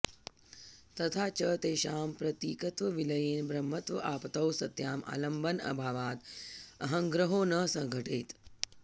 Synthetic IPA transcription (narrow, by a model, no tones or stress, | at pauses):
t̪ɐt̪ʰaːt͡ʃɐt̪eːʃaːmpɾɐt̪iːkɐt̪ʋɐʋilɐjeːnbɾɐmːɐt̪ʋɐʔaːpt̪ɐwsɐt̪jaːma̰ːlɐmbɐnɐ̰bʱaːʋaːt̪ɐɦɐ̃ŋɡɾɐɦoːnɐsɐ̃ŋɡʱɐʈeːt̪